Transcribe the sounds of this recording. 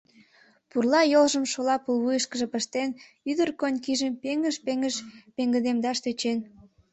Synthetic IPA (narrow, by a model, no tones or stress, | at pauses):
purlɑjolʒəmʃolɑpulβujəʃkəʒə̆pəʃt̪en | yd̪ərkonʲkiʒəmpeŋəʃpeŋəʃpeŋɡə̆d̪emd̪ɑʃt̪øt͡ɕen